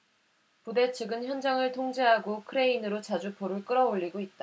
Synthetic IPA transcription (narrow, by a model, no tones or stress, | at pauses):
pude̞t͡ɕʰɯɡɯnçjʌnd͡ʑaŋɯɭtʰoŋd͡ʑeɦaɡokʰɯɾe̞inɯɾot͡ɕad͡ʑupoɾɯɭk͈ɯɾʌoʎːiɡoit̚t͈a